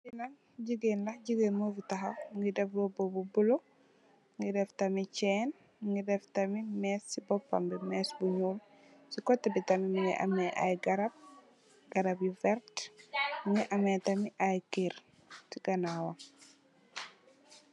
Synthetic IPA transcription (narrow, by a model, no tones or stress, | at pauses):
binɐ | ɟiɡenlɐɟiɡenmovitɐxɐŋɡidɛflobobubulo | ŋɡidɛftɐmicɛːn | ŋɡidɛftɐmimɛsːibɔpːɐ̰mbimɛːsbuɲuːl | sikɔtːɐbitɐmimiŋɛ̰ʔɐ̰mɛʔa̰jɡɐɾɐb̚ | ɡ̥ɐɾabjivɛɾt | ŋɡiʔɐmɛtɐmiʔajkiɾ | siɡɐnawɐ